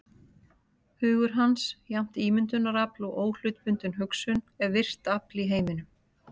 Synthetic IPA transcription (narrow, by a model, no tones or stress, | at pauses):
hʏːɣʏɾ̥ɦansjawm̥t̪iːmʏnt̪ʏnːaɾaplɔɣoːwl̥ʏt̪pʏnt̪ʏnɦʏksʏn | ɛɾvɪr̥t̪apliɦeːjmɪnʏ